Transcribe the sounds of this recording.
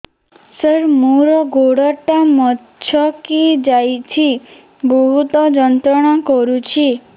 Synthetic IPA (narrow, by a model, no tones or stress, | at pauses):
səɾmuɾɔɡʱoɽɔʈamɔtː | t͡ʃʰɔkid͡ʒajt͡ʃʰi | bɔɦut̪ɔd͡ʒɔnt̪ɾɔɽ̃akɔɾut͡ʃʰi